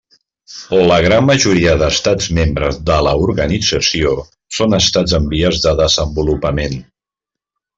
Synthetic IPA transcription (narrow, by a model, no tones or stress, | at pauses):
ləɣ̞ɾamːəʒuɾiəðəst̪ad͡zmembɾəzðələuɾɣənid͡zəsio | sonəst̪ad͡zəmbiəzðəðəzəmbulupəmen